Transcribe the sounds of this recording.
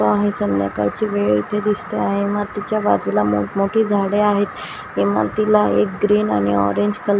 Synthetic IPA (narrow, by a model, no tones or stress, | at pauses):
oaɦesənd̪ja̰ka̰ɽt͡ɕiʋeɭḭt̪ed̪ist̪eaɦẽmaɾt̪it͡ɕjaba̰d͡zulamomoʈʰiːd͡zʱaɽeaɦet̪ | kima̰ɾt̪ilaek̚ɡɾiːna̰ñiɔ̰ɾeɲd͡ʑkəl